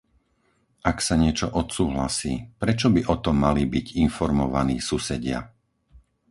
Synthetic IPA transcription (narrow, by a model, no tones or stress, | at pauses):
ʔaksaɲɪɛt͡ʃɔʔɔt̪suːɦlasiːpɾɛt͡ʃɔbiʔɔt̪ɔmːalibiɟinfɔɾmɔʋaniːsusɛɟɪa̰